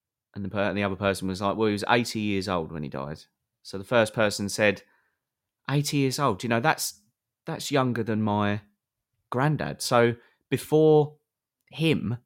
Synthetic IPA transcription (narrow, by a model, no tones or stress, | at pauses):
ʔə̃nðəpʰɜ̃nðiʌðəpʰɜˑ˞sn̩wʌzlaɪk̚wɛlˠiwʌzḛɪtʰijɪɹzoʊlˠd̚wə̃nḭda̰ɪd̥ | soʊðəfɜˑ˞spʰɜˑ˞sə̃n̩sɛd | ʔeɪtʰijɪɹzoʊlˠdjɨñoʊðæts | ðatsjʌ̃ŋɡəðə̃nmaɪ | ɡ̥ɹæ̃ndæ̰d̥soʊ | b̥ɨfɔɹ | hɪ̃m